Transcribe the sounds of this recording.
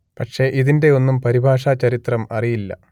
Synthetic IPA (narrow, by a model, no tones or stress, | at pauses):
pɐʈʂe̞ʔiðinde̞o̞nːumpɐɾibʱaːʂaːt͡ɕɐɾit̪rɐmɐrijilːɐ̰